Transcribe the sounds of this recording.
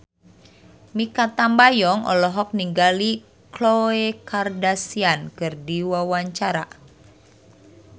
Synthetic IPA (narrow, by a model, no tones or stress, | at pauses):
mikat̪ambajɔŋɔ̰lɔɦɔk̚niŋɡali | kloekardasiankɨrdiwawaɲt͡ʃaɾa̰